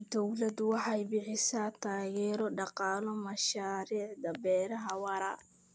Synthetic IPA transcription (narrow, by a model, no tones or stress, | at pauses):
d̪̥ɔwlɐd̪wɑħɑjbɪħɪsaːt̪ʰaːɣɛːɾɔɖɑqɑːlɔmɐʃaːɾiːʕd̪ɐbɛːɾɐɦɐwɑɾɐ̰